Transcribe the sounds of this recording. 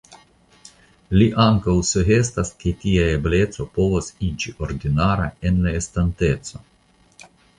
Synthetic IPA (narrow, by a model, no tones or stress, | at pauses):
liʔaŋkawsuɦestasketiae̞ble̞t͡so̞po̞vosid͡ʒiʔo̞ɾdinaɾa̰e̞nlae̞stante̞tt͡so̞